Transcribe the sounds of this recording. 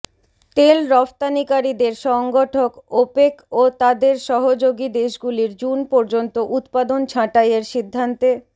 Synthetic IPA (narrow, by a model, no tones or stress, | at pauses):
t̪elɾɔft̪anikaɾid̪eɾʃɔŋɡoʈʰokopekot̪ad̪eɾʃɔɦod͡ʑoɡid̪eʃɡuliɾd͡ʑunpɔɾd͡ʑont̪oʔut̪pad̪ont͡ɕʰãʈajeɾʃid̪ʱːant̪e